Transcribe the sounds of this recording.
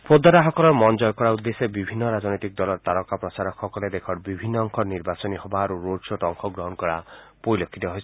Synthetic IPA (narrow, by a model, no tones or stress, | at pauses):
pod̪ɔɾaɦɔkɔlɔɾmɔnd͡ʒɔjɔkɔɽaud̪ːesebibʱinːɔɾad͡ʒnɔjt̪ik̚d̪ɔlɔɾt̪aɾɔkapɾɔt͡ʃaɾɔkʰɔkɔled̪ekʰɔɽbibʱinːɔːŋkʰɔniɾbasɔniɦɔbaɾuɾoɖsoʈɔŋkʰɔɡɾɔɦɔnkɔɭapoilokʰːit̪ɔɦɔjʰ